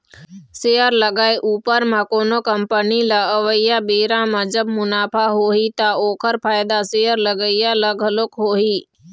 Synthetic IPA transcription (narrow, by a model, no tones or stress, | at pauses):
seːəɾləɡaːeʔuːpəɾmãkoːnokəmpənilaəʋəijãbeːɾãmãd͡ʒəbmʊnaːpʰaɦoːɦit̪aoːkʰəɾpʰaːjd̪aseːəɾləɡəijãləɡʱəlokɦoːɦiː